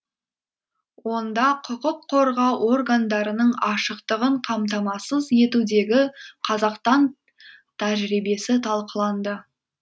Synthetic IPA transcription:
wo̞nd̪ɑqʰʊqʊqʰːo̞ɾʁɑwʔo̞rɡand̪ɑɾənəɴɑʃəqt̪əʁəɴqʰɑmt̪̬ɑmɑsəzje̞t̪ud̪e̞ɡʲɪqʰɑzɑqst̪ɑn | t̪ʰæʒɾijbe̞sɪt̪ʰɑlˠqəlˠɑnd̪ə

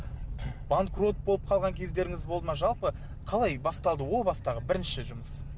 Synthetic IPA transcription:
b̥aŋkro̞t̪̚bo̞lˠəp̚qʰɑlˠʁɑŋkʲʰe̞zd̪e̞ɾɪŋɪzbo̞lˠd̪əmɑʒɑlˠpə | qʰɑlˠɑjbɑst̪ɑlˠd̪əwo̞lˠbɑst̪ɑʁəbɪɾɪnʃɪʒʊməs

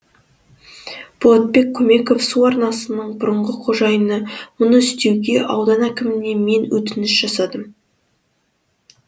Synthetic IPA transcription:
b̥olˠɑt̪̚pe̞k̚ʲʰːɵme̞ko̞fsuɑɾnɑsənəɴbʊɾəɴʁəqʰo̞ʒɑjənəmʊnəʏst̪e̞wɡʲe̞ʔɑwd̪ɑnækʲɪmɪne̞me̞nwɵt̪ɪnɪsʒ̥ɑsɑd̪əm

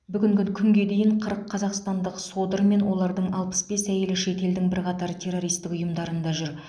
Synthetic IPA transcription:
bʏɡʲɪŋɡʲɪkʲʰʏŋɡʲe̞d̪e̞jɪɴqʰəɾəqʰːɑzɑqst̪ɑnd̪əqso̞d̪əɾme̞nwo̞lˠɑɾd̪əɴɑlˠpə̥sbe̞sæje̞lɪʃe̞t̪e̞ld̪ɪŋbɪɾqʰɑt̪ɑɾt̪ʲʰe̞rːo̞ɾijst̪ɪkʊjəmd̪ɑɾənd̪ɑʒʏɾ

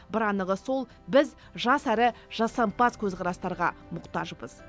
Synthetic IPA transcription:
bɪɾɑnəʁəso̞lˠ | bɪz | ʒɑsæɾɪʒɑsɑmpɑskʲʰɵzqʰɑɾɑst̪ɑɾʁɑmʊqt̪ɑʒəbəz̥

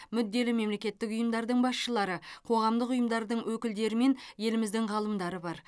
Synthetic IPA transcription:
mʏd̪ːe̞lɪme̞mle̞kʲe̞t̪ːɪkʊjəmd̪ɑɾd̪əɴbɑsʃəlˠɑɾəqʰo̞ʁɑmd̪əqʊjəmd̪ɑɾd̪əɴwɵkʲɪld̪e̞ɾɪme̞nje̞lɪmɪzd̪ɪŋʁɑlˠəmd̪ɑɾəbɑɾ

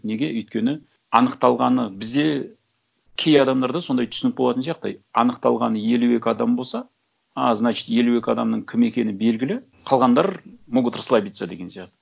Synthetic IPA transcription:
ne̞ɡʲe̞ʏjt̪̚kʲe̞nɪ | ɑnəqt̪ɑlˠʁɑnəbɪzd̪e̞ | kʲʰe̞jɑd̪ɑmd̪ɑɾd̪ɑso̞nd̪ɑjt̪ʰʏsɪnɪp̚boɑt̪ənsijɑq̚t̪ɑjɑnəqt̪ɑlˠʁɑnəje̞lue̞kʲɪɑd̪ɑmbo̞lˠsɑ | ɑznɑt͡ʃɪ̥t̪je̞lue̞kʲɪɑd̪ɑmnəɴkʲʰɪme̞kʲe̞nɪbe̞lɡʲɪlɪ | qʰɑlˠʁɑnd̪ɑɾmoɡət̪ʰərslˠɑbijt̪sad̪e̞ɡʲe̞nsijɑqt̪ə

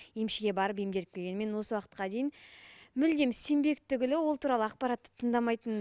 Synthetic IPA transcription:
jemʃɪɡʲe̞bɑɾəp̬jemd̪e̞lɪk̚peɡʲenɪme̞nwo̞səwɑqə̥t̪qɑd̪e̞jɪnmʏld̪e̞mse̞mbe̞kt̪ʰʏɡʲɪlɪwo̞lˠt̪ʰuɾɑlˠəɑq̚pɑɾat̪ːə̥t̪ʰəɴd̪ɑmɑjt̪ən

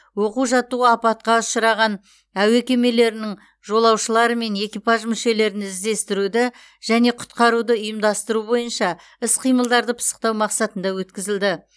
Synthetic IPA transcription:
wo̞quʒɑt̪uɑpɑt̪̚qɑʊʃəɾɑʁɑn | æwekʲe̞me̞le̞ɾɪnɪŋ | ʒo̞lˠɑwʃəlˠɑɾəme̞ne̞kʲijpɑʒmʏʃe̞le̞ɾɪnɪzd̪e̞st̪ɪɾud̪ɪ | ʒ̥æne̞qʰʊ̥t̪̚qɑɾud̪əʊjəmd̪ɑst̪əɾubo̞jənʃɑ | ɪsqʰijməlˠd̪ɑɾd̪əpʰə̥sə̥q̚t̪ɑwmɑqsɑt̪ənd̪ɑwɵt̪kʲɪzɪld̪ɪ

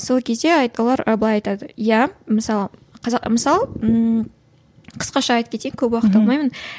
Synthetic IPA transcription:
so̞lˠkʲʰe̞zd̪e̞ɑjt̪olˠɑɾɑ̰blˠɑjɑjt̪ɑd̪əjæməsɑlˠəqʰɑzɑqməsɑlˠə | qʰə̥sqɑʃɑɑːjt̪əpkʲet̪ejɪŋkʲʰɵpwɑqə̥tt̪ːɑlˠmɑjmən

